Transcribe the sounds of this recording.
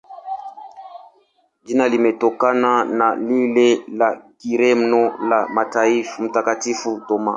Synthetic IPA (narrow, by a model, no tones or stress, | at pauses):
d͡ʒinalimɛtɔkananalilelakiɾɛmnɔlamataifm̩takatifutɔma̰